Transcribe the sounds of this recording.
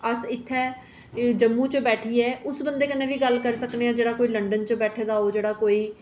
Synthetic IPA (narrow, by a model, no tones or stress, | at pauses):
əsɪt̪ʰːɛː | d͡ʒəmːũːt͡ʃəbɛːʈʰiːɛːʊsbənd̪eːkənːẽːʋiːɡəlkəɾsəkneːãːd͡ʒeːɽaːkoːiːləɳɖənt͡ʃəbɛːʈʰeːd̪aːɦoːd͡ʒeːɽaːkoːiː